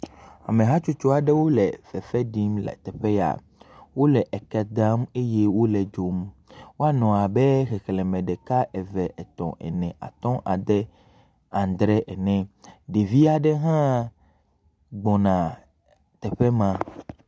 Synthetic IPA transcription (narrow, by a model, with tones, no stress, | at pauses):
a̰˨mẽ˨ɦa˦t͡ʃu˦t͡ʃo˦a˨ɖɛ˦wo˦lɛ˨fɛ˨fɛ˦ɖi˦mlɛ̰˨t̪ɛ˨ɸɛ˦ja̰˨ | wo˦lɛ˨ʔɛ˨kɛ˨d̪a˦me˦jɛ˦wo˦lɛ˨d͡ʒo˨mwo˦a˦nɔ̃˨a˨bɛ˦xɛ˨xlɛ̃˨mɛ̃˨ɖɛ˨ka˦ʔɛ˨vɛ˨ʔɛ˨t̪ɔ̰̃˨ʔɛ̰˨nɛ̃˨ʔa̰˨t̪ɔ̃˦ʔa˨d̪ɛ˦ | ã˨nd̪ɾɛ˦ʔɛ˨nɛ̃˨ɖe˨vi˦a˨ɖɛ˦ɦã˦ | ɡ͡bɔ˨nã˨ | t̪ɛ˨ɸɛ˦mã˨